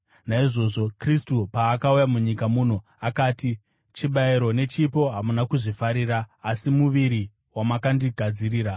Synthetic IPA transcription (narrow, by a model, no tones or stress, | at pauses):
naiʐo̞ʐo̞kristupaːkaujamuɲikamun̤o | akaːti | t͡ʃiɓaiɾo̞ne̞t͡ʃipo̞ɦamunakuʐifaɾiɾaːsimuʋiɾi | wamakandiɡʱad͡ziriːɾa